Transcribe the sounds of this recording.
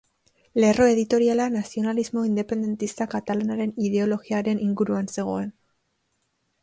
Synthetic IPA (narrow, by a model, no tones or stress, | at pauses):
le̞ro̞e̞ðit̪o̞ɾialanasio̞nalizmo̞ind̪e̞pe̞nd̪e̞nt̪ist̪akat̪alanaɾe̞niðe̞o̞lo̞ɣiaɾe̞nʔiŋɡuɾuanse̞ɣ̞o̞e̞n